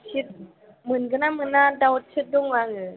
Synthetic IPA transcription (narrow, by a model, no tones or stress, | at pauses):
sʰit̪̚ | mɯnɡɯnamɯnːadaw̚t͡ʃʰit̪̚duŋwaŋɯ